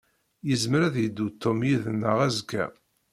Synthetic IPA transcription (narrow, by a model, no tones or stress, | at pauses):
jəzməɾæðjəd̪ːut̪ʰːomjiðənːəʁæzkːæ̰